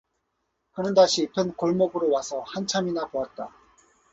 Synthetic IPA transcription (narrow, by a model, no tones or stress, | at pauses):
hanɯndaɕʰipʰjʌnkʌɭmʌbɯɾowasʰʌhant͡ɕʰaminapoat̚t͈a